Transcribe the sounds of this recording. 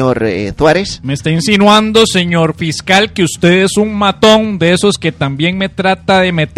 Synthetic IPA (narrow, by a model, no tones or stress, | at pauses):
oɾθwaɾesmeːst̪ainsinwand̪o̞se̞ɲo̞ɾfiskalkeust̪e̞ðe̞suŋmat̪o̞ŋd̪eeso̞ske̞t̪ambje̞ŋme̞t̪ɾat̪aðe̞me̞t̪